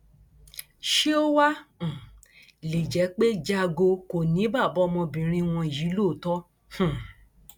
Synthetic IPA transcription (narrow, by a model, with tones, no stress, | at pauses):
ʃe˦o˦wã˦˨ | le˨d͡ʒɛ˨˦k͡pe˦d͡ʒa˧ɡo˧ko˨nĩ˨˦ba˦˨bɔ˨˦mɔ̃˧bĩ˨ɾ̃ĩ˧w̃ɔ̃˧˨ji˨˦lo˦˨tɔ˦ | hũ˦˨